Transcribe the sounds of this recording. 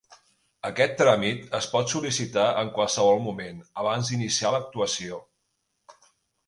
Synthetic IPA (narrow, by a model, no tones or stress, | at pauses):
əkɛt̪ːɾamit̪əspɔt̪sulisit̪aʔəŋkwalˠsəβ̞ɔlˠmumenəβ̞anzðd̪inisialək̚t̪uəsio